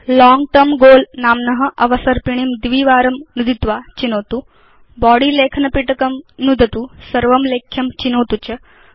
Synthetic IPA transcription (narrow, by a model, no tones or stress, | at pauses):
lɔːŋɡʈɐmɡoːlnaːmnɐɦɐ̆ʔɐʋɐsɐɾpiɳ̃imd̪iʋiːʋaːɾɐmnud̪it̪ʋaːt͡ʃinoːt̪u | bɔːɽiːleːkʰnɐpiʈɐkɐmnud̪ʱɐt̪usɐɾʋɐmleːkʰːjɐmt͡ʃinoːt̪ut͡ʃɐ